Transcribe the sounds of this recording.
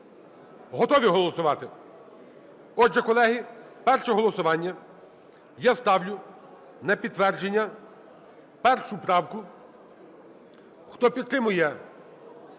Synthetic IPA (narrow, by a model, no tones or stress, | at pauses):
ɦɔt̪ɔʋʲiɦɔlˠɔsʊʋɑt̪ɪ | ɔʒːɛkɔlˠɛɦi | pɛrʃɛɦɔlˠɔsʊʋɑnʲːɐ | jast̪ɑwlʲʊ | nɐpʲid̪t̪ːʋɛrd͡ʒenʲːɐ | pɛrʃʊpɾɑwkʊ | xt̪ɔpʲid̪t̪ɾɪmʊjɛ